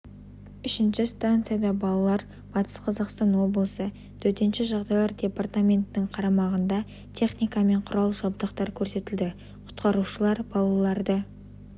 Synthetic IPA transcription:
ʏʃɪnʃɪst̪ant̪sɨjad̪ɑbɑlˠɑlˠɑɾ | b̥ɑt̪ə̥sqʰɑzɑqst̪ɑnwo̞blˠəsə | t̪ʰɵɾt̪e̞nʃɪʒɑʁd̪ɑjlˠɑɾd̪ʲe̞part̪amʲe̞nt̪ɪnɪɴqʰɑɾɑmɑʁənd̪ɑ | t̪ʲʰe̞χnijkɑme̞ɴqʰʊɾɑlˠʒɑbd̪əqt̪ɑɾkʲʰɵɾse̞t̪ɪld̪ɪ | qʰʊ̥t̪qɑɾuʃəlˠɑɾbɑlˠɑlˠɑɾd̪ə

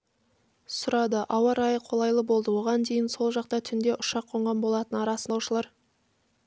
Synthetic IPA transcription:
sʊɾɑd̪əʔɑwɑɾɑjəqʰo̞lˠɑjlˠəbo̞lˠd̪əwo̞ʁɑnd̪e̞jɪnso̞lˠʒɑqt̪ɑt̪ʰʏnd̪e̞ʔʊʃɑqʰːo̞ɴʁɑnbo̞lˠɑt̪ənɑɾɑsəɑwʃəlˠɑɾ

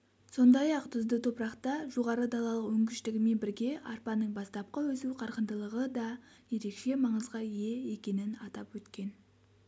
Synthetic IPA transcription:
so̞nd̪ɑjɑqt̪ʰʊzd̪ət̪ʰo̞pɾɑqt̪ɑʒo̞ʁɑɾəd̪ɑlˠɑlˠəqwɵŋɡʲɪʃt̪ɪɡʲɪme̞nbɪɾɡʲe̞ʔɑɾpɑnəɴbɑst̪ɑp̚qəwɵsuqʰɑɾqənd̪əlˠəʁəd̪ɑ | je̞ɾe̞kʃe̞mɑɴəzʁɑje̞e̞kʲe̞nɪnɑt̪ɑpwɵt̪kʲe̞n

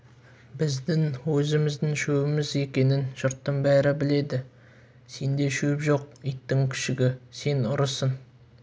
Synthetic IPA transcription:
bɪzd̪ɪŋwɵzɪmɪzd̪ɪŋʃɵwɪmɪze̞kʲe̞nɪnʒ̥ʊɾt̪ːəɴbæɾɪbɪle̞d̪ɪ | se̞nd̪e̞ʃɵpʒo̞q̚ijt̪ːɪŋkʲʰɪ̥ʃɪɡʲɪse̞nʊɾəsən

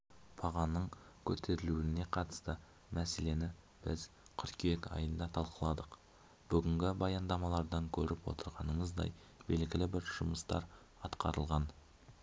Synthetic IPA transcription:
pʰɑʁɑnəɴkʲʰɵt̪ʰe̞ɾɪluɪne̞qʰɑt̪ə̥st̪ə | mæse̞le̞nɪ | b̥ɪz | qʰʏɾkʲʰekʲɑ̰jənd̪ɑt̪ʰɑlˠqəlˠɑd̪əq | b̥ʏɡʲɪŋɡʲɪbɑjɑnd̪ɑmɑlˠɑɾd̪ɑŋkʲʰɵɾɪpwo̞̰t̪əɾʁɑnəɴəzd̪ɑ̰j | be̞lɡʲɪlɪbɪɾʒ̥ʊməst̪ɑ̰ɾ | ɑt̪qɑɾəlˠʁɑn

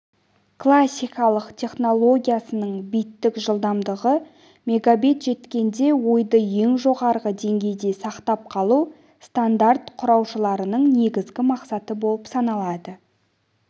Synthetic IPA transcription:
kʰlˠasʲːijkɑlˠəqt̪ʲʰe̞χno̞lˠo̞ɡʲijasənəɴbijt̪ːɪkʒəlˠd̪ɑmd̪əʁə | me̞ɡabit̪ʒe̞t̪kʲe̞nd̪e̞wo̞jd̪əje̞ŋʒo̞ʁɑɾʁəd̪e̞ŋɡʲe̞jd̪e̞sɑqt̪ɑp̚qʰɑlˠuw | st̪and̪art̪qʰʊɾɑwʃəlˠɑɾənəɴne̞ɡʲɪzɡʲɪmɑqsɑt̪əbo̞lˠəpsɑnɑlˠɑd̪ə

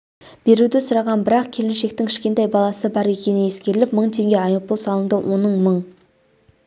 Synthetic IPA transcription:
b̥e̞ɾud̪ɪsʊɾɑʁɑnbɪɾɑqkʲʰe̞lɪnʃe̞k̚t̪ɪŋkʲʰɪ̥ʃkʲe̞nt̪ɑjbɑlˠɑsəbɑɾe̞kʲe̞nɪnje̞skʲe̞ɾɪlɪpməɴt̪ʰe̞ŋɡʲe̞ɑjəpəlˠsɑlˠəɴd̪əwʔo̞nəɴməɴ

